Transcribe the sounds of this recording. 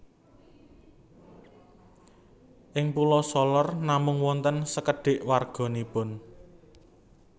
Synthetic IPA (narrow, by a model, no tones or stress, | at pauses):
ʔɪŋpulɔsɔlɔrnamʊŋwɔnt̪ənsəkəɖ̥ɪ̤ʔwarɡ̥ɔ̤nipʊn